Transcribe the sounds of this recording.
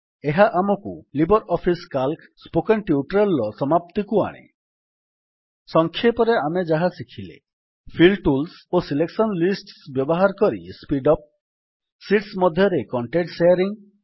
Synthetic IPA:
eɦaʔamɔkulibɔɾɔpʰiskalk | spokenʈiuʈɾelːɔsɔmap̚t̪ikua̰ɽ̃ḛ | sɔŋkʰjepɔɾeamed͡ʒaɦasikʰilḛ | pʰilʈuls | osileksɔnlisʈsbjɔbɔɦaɾɔkɔɾḭspiɖɔp̚ | siʈsmɔd̪ʱjɔɾekɔɳʈeʈsejɔɾiŋ

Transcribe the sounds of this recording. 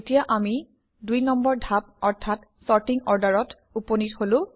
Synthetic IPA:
etijaʔami | dujnɔmbɔɹdʱap̚ɔɹtʰat | sɔɹtiŋɔɹdaɹɔt | uponitholʊ̃

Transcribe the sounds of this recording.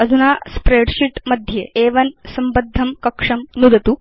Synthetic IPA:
ɐd͡zʱunaspɾeɽɕiʈmɐd̪ʱːjeeʋɐnsɐmbɐd̪ʱːɐmkɐkʂɐmnud̪ɐt̪u

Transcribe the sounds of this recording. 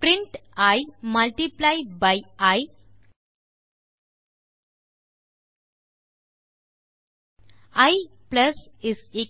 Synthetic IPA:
pɾĩɳʈajmalʈiplajɖbajaj | ajpləsise

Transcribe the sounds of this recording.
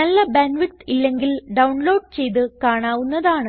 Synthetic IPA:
nɐlːɐbenʋiʈilːe̞ŋɡilɖɐwɳlo̞ːɖt͡ɕe̞jt̪ɨkaːɳaːʋunːɐðaːɳɨ

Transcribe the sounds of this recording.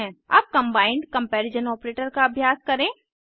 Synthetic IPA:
ɛ̃a̰ːp̚kɐ̃mbaːɪ̃ɳɖkɐ̃mpɛːɾɪd͡ʒənɔːpɾeːʈəɾkaɐbʱjaːskɐɾẽː

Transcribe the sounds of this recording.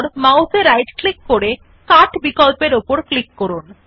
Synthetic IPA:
ɾmawseɾajd͡ʑklikːoɾe | kaʈbikɔlpeɾopoɾklikːoɾun

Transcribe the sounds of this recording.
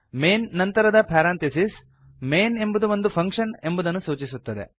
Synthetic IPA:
meːnːɐnt̪ɐɾɐd̪ɐpʰaːɾaːnt̪esis | me̞ːne̞mbud̪uʋo̞nd̪upʰɐŋkʂɐne̞mbud̪ɐnːusuːt͡ʃisut̪ːɐd̪ḛ

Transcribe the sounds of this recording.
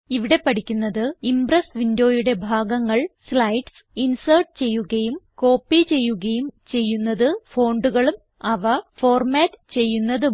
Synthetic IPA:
iʋiɽe̞pɐʈʰikʲːunːɐðɨimbrɐsʋindo̞ːjuɽe̞bʱaːɡɐŋːɐɭslɐjʈs | insɐrʈ̚t͡ɕe̞jːuɣɐjumko̞ːpːit͡ɕe̞jːuɣɐjumt͡ɕe̞jːunːɐðɨfo̞ːɳɖuɣɐɭum | ɐʋɐfo̞ːrmaːtːt͡ɕe̞jːunːɐðɨ

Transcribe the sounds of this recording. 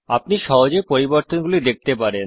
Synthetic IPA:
apniʃɔɦod͡ʑepoɾiboɾt̪onɡulid̪ek̚t̪epaɾen

